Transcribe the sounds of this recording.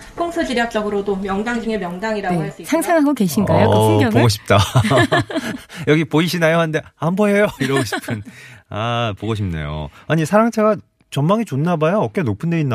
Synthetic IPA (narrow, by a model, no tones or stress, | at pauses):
pʰoŋsʰɯd͡ʑɯɾjʌk̚t͡ɕ͈ʌɡɯɾodomjʌŋdaŋd͡ʑuŋemjʌŋdaŋiɾaɡoɦaɭs͈uisʰaŋsʰaŋɦaɡoke̞ɕʰinɡajopoɡoɕ̬ʰi̥p̚t͈a | jʌɡipoiɕʰinajohande̞hambʌɦejoiɾʌɡoɕʰi̥pʰɯnapoɡoɕʰimnḛjo̰aɲisʰaɾaŋt͡ɕʰeɡa | t͡ɕʌmmːaŋit͡ɕonːabajoʌk͈e̞nopʰɯndeinːa